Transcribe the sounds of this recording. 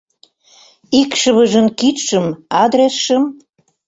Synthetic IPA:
ikʃəβəʒə̆nkit̪ʃə̆mɑd̪ɾesʃəm

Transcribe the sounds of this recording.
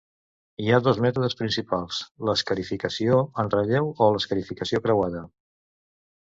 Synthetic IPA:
iaðɔzmɛt̪uðəspɾinsipalˠsləskəɾifikəsioənrəʎewoləskəɾifikəsiokɾəwaðə

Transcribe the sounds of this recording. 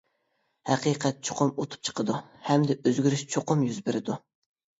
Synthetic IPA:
hæqʰiqʰɛt̪̚t͡ʃʰoqʰʊmot̪ʰu̥p̚t͡ʃʰə̥qʰəd̪uhɛmd̪ɛʔøzɡʲyɾyʃt͡ʃʰoqʊmjyzbɪɾɪd̪u

